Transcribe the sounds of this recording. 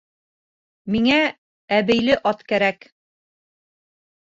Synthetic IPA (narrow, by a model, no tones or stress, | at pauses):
miŋæ | æβɘ̆jlɘʔɑt̪kæɾæk